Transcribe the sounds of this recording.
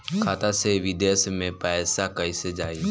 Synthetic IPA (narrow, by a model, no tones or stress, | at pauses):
kʰaːt̪aseʋɪd̪eːsmẽpɛːsakɐised͡ʒaːi